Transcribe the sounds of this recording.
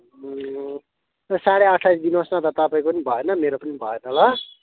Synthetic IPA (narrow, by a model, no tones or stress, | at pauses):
ʌsaɽeʌʈʰːajsd̪inosnʌt̪ʌt̪ʌpaĩkopʌnibʱʌenʌmeɾopʌnibʱʌenʌlʌ